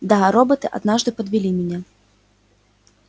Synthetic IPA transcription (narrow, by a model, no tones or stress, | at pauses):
d̪ɐɣaɾɔbɐt̪ɨʔa̰d̪naʐd̪ɨpɐd̪vʲilʲimʲɛnʲɛ